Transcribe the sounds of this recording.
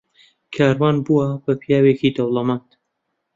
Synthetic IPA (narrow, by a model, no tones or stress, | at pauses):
kʰaːɾwaːnbuwabɐpʰijaːwekid̪ɐwlˠɐmaːnt̪